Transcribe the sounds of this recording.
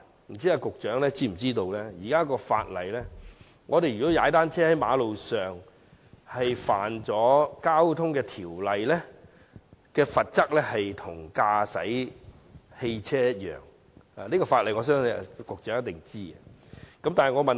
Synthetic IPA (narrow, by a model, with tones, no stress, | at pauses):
m̩˨˩t͡siː˥aː˧kʊ˨k̚t͡ʃœː˨˥ŋlɛː˥t͡siː˥m̩˨˩t͡siː˥t̪o˧wlɛ˥jiː˨˩kaː˥kɔː˧fa̰ː˧t̚lɐ̰˨jlɛ˥ | ŋɔː˨˧ɾe˨jy˨kɔ˨˥jaː˨˧˦t̪aː˥nt͡sʰɛː˥hɐ˨˥jma̰ː˨˧lo˨wsœː˨ŋ | hɐ˨jfaː˨nt͡sɔː˨˥kaː˥wt̪ʰʊ˥ŋkɛː˧t̪ʰiː˨˩wlɐ˨jlɛː˥ | kɛː˧fɐ˨t̚t͡sɐ˥k̚lɛː˥hɐ˨jt̪ʰʊ˨˩ŋkaː˧sɐ̰˨˥j | he˧jt͡sʰɛː˥jɐ˥t̚jœ̰ː˨ŋ | aː˨liː˥kɔː˧faː˧t̚lɐ˨jŋɔː˨˧s̬œː˥ŋ˧˨kʊ˨k̚t͡ʃœː˨˥ŋjɐ˥t̪ːɪ˨ŋt͡siː˥ɡɛ˧kɐ˨˦mtaː˨nhɐ˨jŋɔː˨˧mɐ˨n